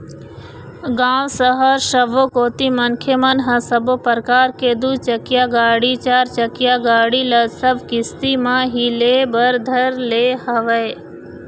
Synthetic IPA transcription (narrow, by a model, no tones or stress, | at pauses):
ɡãːwsəɦəɾʃəʋokoːt̪imənkʰemɐnɦɐ̃səbopəɾkaːɾkeːd̪ut͡ʃəkɪjaːɡaːɽit͡ʃaːɾt͡ʃəkɪjaːɡaːɽiːlɐsəbʱkɪst̪imãːɦileːbəɾd̪ʱəɾleːhəʋəe